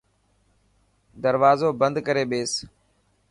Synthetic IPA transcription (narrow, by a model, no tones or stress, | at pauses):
d̪əɾʋaːzoːbə̃nd̪kəɾeːɓeːs